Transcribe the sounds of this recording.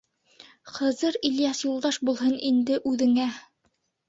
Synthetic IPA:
qɤ̆zɤɾiljɑsjulˠd̪ɑʃbulˠɦɤnind̪ɘʔʉðɘ̆ŋæ

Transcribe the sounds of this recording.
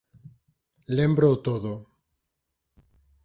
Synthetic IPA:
lembɾoːt̪oðo

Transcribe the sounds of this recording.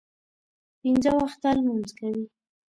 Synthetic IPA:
pinzəwaxt̪almanzkawi

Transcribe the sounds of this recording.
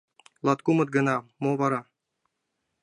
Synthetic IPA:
lˠɑt̪kumɤ̆t̪̚ɡɤ̆nɑmovɑɾɑ

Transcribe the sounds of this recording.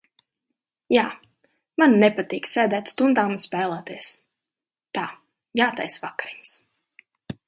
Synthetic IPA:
jaː | manːɛpat̪iːksʲɛːd̪æːt̪st̪und̪aːmnspʲæːlˠɛːt̪iəs | t̪aː | jaːt̪ajsvakaɾiɲs

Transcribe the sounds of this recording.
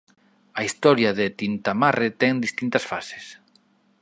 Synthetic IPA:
aist̪ɔɾjaðet̪int̪amaret̪ɛŋd̪ist̪int̪ɐsfase̥s

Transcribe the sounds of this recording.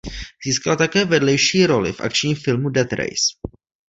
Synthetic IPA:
z̥iːskalat̪akɛːvɛdlɛjʃiːɾo̞lɪ̰fʔa̰kt͡ʃɲiːmfɪlmudɛt̪ɾɛ̰js

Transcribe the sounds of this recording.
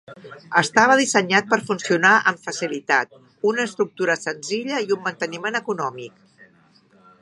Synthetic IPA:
əst̪aβ̞əð̞isəɲat̪̚pəɾfunsiunaʔəɱfəsilit̪at̪̚ | unəːst̪ɾuk̚t̪uɾəsənziʎəiumːənt̪ənimenəkunɔmik̚

